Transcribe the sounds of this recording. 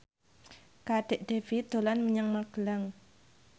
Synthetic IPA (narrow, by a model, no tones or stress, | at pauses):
kaɖ̥e̤ʔd̥evit̪olanməɲaŋmaɡ̥əlaŋ